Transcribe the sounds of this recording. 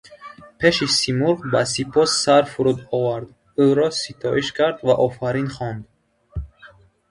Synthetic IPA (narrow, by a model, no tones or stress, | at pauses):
pʰe̞ʃisimuɾʁbasipʰɔsːaɾfuɾud̪ɔvaɾd̪ | uɾɔsit̪ʰɔʔiʃkʰaɾd̪vaʔɔfaɾinχɔnd̪